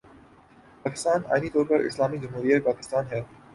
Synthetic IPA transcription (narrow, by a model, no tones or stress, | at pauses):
pɑkɪ̥st̪ɑnɑ̰jnit̪ɔɾbɑɾḭslɑmid͡ʒəmɦuɾiɦɛpɑkɪ̥st̪ɑnɦɛt̪